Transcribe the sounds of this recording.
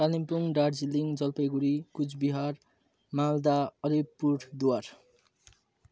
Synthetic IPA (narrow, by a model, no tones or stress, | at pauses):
ɾalimpuŋɖaʈd͡zilːiŋd͡zʌlpejɡuɾikut͡sbiɦar | mald̪aʌlipːurʈʰd̪uwar